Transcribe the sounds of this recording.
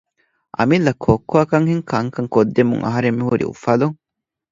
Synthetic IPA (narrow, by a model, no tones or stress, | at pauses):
ʔɐ̰milːɐkʰːoːkːoɐkɐŋhiŋkɐŋkɐŋkod̪ːemṵŋʔɐ̰ɦɐɾemːihuɾḭṵfɐluŋ